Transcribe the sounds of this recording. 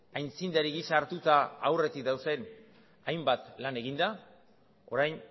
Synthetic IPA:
ajnt͡sind̪aɾiɣisaɾt̪ut̪aːwre̞t̪ik̚d̪awse̞n | ajmbat̪lane̞ɣ̞ind̪a | o̞̰ɾajn

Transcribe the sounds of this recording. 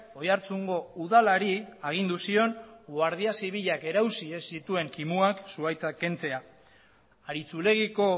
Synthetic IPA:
o̞jaɾt͡suŋɡo̞uðalaɾiaɣ̞ind̪usio̞nɡwaɾð̞iasiβiʎake̞ɾawsiesit̪ue̞ŋkimuaksuajt͡sake̞nt͡se̞aː | ɾit͡sule̞ɣiko̞

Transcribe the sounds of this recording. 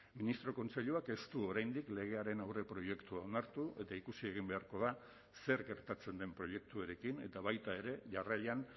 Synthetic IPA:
minist̪ɾo̞ko̞nt͡se̞ʎuake̞st̪uo̞ɾajnd̪ikle̞ɣ̞e̞aɾe̞nawre̞pɾo̞je̞kt̪uao̞naɾt̪uʔe̞t̪aikusie̞ɣ̞imbe̞aɾko̞ða | se̞ɾɡe̞ɾt̪at͡se̞nd̪e̞mpɾo̞je̞k̚t̪uoɾe̞kine̞t̪aβajt̪ae̞ɾe̞ʝaraʎan

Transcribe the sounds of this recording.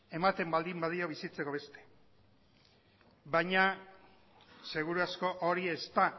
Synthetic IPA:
e̞mat̪e̞mbald̪imbaðio̞β̞isit͡se̞ko̞βe̞st̪e̞̥ | bajɲa | se̞ɣuɾuasko̞ʔoɾiest̪a

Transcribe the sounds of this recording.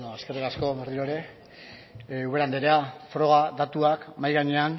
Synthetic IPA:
noaske̞rikasko̞βeriɾoeɾe̞ | uβeɾand̪eɾeafɾo̞ɣ̞aðat̪uakmajɣaɲe̞an

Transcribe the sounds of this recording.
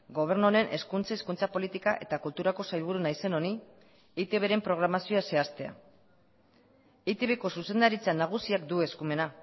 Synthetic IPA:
ɡo̞β̞e̞ɾnoɾe̞nʔe̞skunt͡saiskunt͡sapo̞lit̪ikaʔe̞t̪akult̪uɾako̞sajβ̞uɾunajse̞no̞ni | it̪e̞βe̞ɾe̞mpɾo̞ɣ̞ɾamasio̞ase̞ast̪e̞a̰ | it̪eβe̞ko̞suse̞nd̪aɾit͡sanaɣ̞usiakd̪ue̞skume̞na

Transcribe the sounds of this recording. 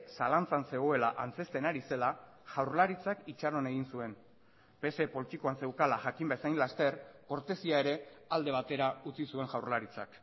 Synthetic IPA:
salant͡sanse̞ɣ̞o̞elaʔant͡se̞st̪e̞naɾise̞la | ʝawɾlaɾit͡sakit͡ʃaɾo̞ne̞ɣ̞insue̞n | pe̞se̞po̞lit̪iko̞anse̞wkalaʝakimbesajnlast̪e̞ɾko̞ɾt̪e̞siae̞ɾe̞ald̪e̞β̞at̪e̞ɾaut͡sisue̞ŋʝawɾlaɾit͡sa̰k

